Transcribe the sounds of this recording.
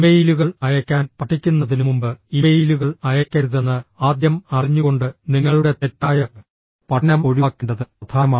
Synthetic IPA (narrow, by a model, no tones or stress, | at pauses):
imejiluɣɐɭɐjɐkʲːaːnpɐʈʰːikʲːunːɐðinumumbɨimejiːluɣɐɭɐjɐkʲːɐɾuðɐnːɨaːd̪jɐmɐriɲːuɣo̞ɳɖɨniŋːɐɭuɽe̞t̪etːaːjɐ | pɐnɐmo̞ɻiaːkːeɳɖɐðɨɐt̪ʰaːma